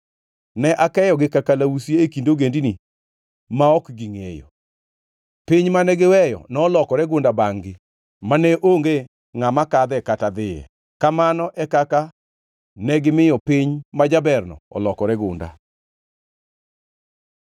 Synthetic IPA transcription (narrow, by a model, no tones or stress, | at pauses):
nɛʔakɛjɔɡɪkakalawusjeːkindoɡendini | maɔkɡiŋḛjo̰ | piɲmanɛɡɪwɛjɔ̰nɔːlɔkɔɾɛɡʊndabaŋɡɪ | manɛʔoŋɡe | ŋamakad̪ɛkatad̪ɪjɛ̰ | kamanɔʔɛkaka | nɛɡɪmɪjɔpiɲmad͡ʒabɛrnɔ̰ɔ̰lɔkɔɾɛɡʊ̰nda̰